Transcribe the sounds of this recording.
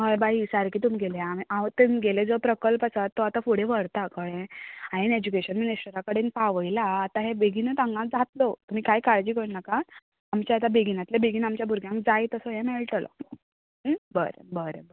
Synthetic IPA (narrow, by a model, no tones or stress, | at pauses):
ɦəjbaisaɾkiːt̪umɡeleamiʔaʋt̪ənɡeled͡zəpɾəkəlpasat̪ːoat̪afuɽ̤eʋəɽt̪akəɽẽaened͡ʑukeɕənminisʈəɾakəɽenpaʋəjlaːt̪aɦebeɡʱinət̪aŋɡãd͡zat̪lot̪um̤iːkajkaɭd͡ʑiːkənnaka | amt͡ɕaat̪abeɡinat̪lebeɡiːnamt͡ɕjabʱuɾɡʱjãŋk̚d͡zajt̪əsəɦẽmeɭʈlə̰ | bəɾə̰bəɾḛbəɾ